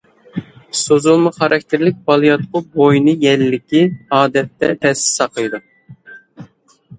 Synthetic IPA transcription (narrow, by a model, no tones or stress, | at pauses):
sozulˠmʊχɑɾɑk̚ʲt̪ʰɪɾlɪk̚ʲbɑlˠɨjɑt̪qʊbojnɨjɛlːɪkʲiɑːd̪ɛt̪ːɛ̰t̪ʰɛsɪ̥sɑqʰəjd̪u